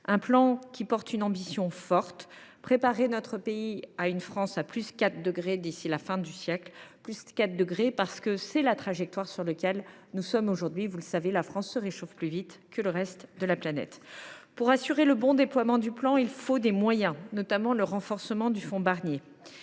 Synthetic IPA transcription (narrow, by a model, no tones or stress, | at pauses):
ɛ̃plɑ̃kʲipɔʁt̪ynɑ̃bisjɔ̃fɔʁt̪pχepaʁenɔt̪χəpeiaynfχɑ̃saplyskat̪χd̪əɡʁed̪isilafɛ̃d̪ysjɛklplyskat̪̚d̪əɡʁepaʁsə̥kəsɛlat̪χaʒɛk̚t̪waʁsyʁləkʲɛl | nusɔmoʒuʁd̪ɥivuləsavelafχɑ̃sːəʁeʃofplyvit̪kələʁɛst̪d̪əlaplanɛ̰t̪puʁasyʁeləbɔ̃d̪eplwamɑ̃d̪yplɑ̃ilfod̪emwajɛ̃nɔt̪amɑ̃ləʁɑ̃fɔʁsəmɑ̃d̪yfɔ̃baʁnje